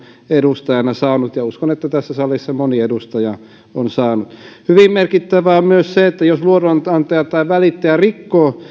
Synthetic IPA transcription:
edust̪ɑjɑnɑsɑːnut̪jɑuskonet̪ːæt̪æsːæsɑlːˑisːɑmoniedust̪ɑjɑ | onsɑːnut̪hyʋimmerkit̪ːæʋæommyøsseet̪ːæjosluoront̪ɑnt̪ɑjɑt̪ːɑiʋælit̪ːæɑrikːoː

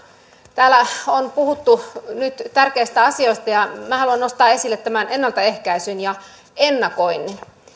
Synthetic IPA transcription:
t̪æːlæonpuhut̪ːunyt̪t̪ærkeist̪æɑsioist̪ɑjɑmæhɑluɑnnost̪ɑːesilːet̪t̪ːæmænenːɑlt̪ɑe̞hkæisynjɑ | enːɑkoinːin

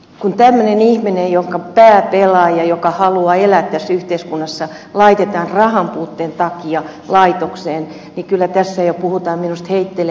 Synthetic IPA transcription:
kunt̪æmːønenihminejjoŋkɑpæːpelɑːjɑjokɑhɑluɑelæt̪t̪æsːyht̪eiskunːɑsːɑ | lɑit̪et̪ɑːnrɑhɑmpuːt̪ːeːnt̪ɑkiɑ | lɑit̪okseːn | nikylːæt̪æsːæjopuhut̪ɑːmminust̪heit̪ːel

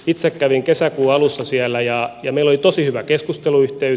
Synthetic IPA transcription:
it̪sekkæʋiŋkesækuːɑlusːɑsiælːˑæjɑjɑmeilːˑolit̪osihyʋækeskust̪eluyht̪ey

